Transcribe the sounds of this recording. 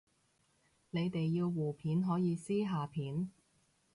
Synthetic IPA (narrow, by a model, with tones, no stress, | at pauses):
ne˨˧jt̪e˨jːiː˧wwuː˨˩pʰiː˨˥nɦɔː˨˥jiː˨˧siː˥ɦaː˨˧pʰiː˨˥n